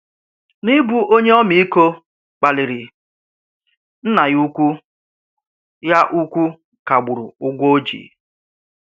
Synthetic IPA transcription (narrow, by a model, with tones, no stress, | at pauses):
ni˦bu˨ʔo˦ɲe˦ɔ˦mi˦i˦ko˦ | k͡pa˨lɪ˨ɾɪ˨ | n̩˦na˨ju˦kʷu˦ | ja˦ʔu˦kʷu˦ | ka˨ɡ͡bʊ˨ɾʊ̰˨ʊ˦ɡʷo˦d͡ʒḭ˨